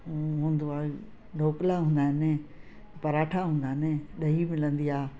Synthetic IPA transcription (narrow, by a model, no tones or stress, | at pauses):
ũɦũːnd̪oaː | nʱoːklaɦũːnd̪aːɦɪnɪ | pɐɾaːʈʰaɦũːn̆d̪aːɦɪnɪɗɐɦimɪlə̃nd̪iaː